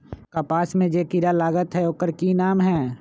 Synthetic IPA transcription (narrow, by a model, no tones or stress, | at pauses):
kapaːsmẽd͡ʒeːkɪɾalaːɡət̪ɦɛoːkəɾkinaːmɦɛː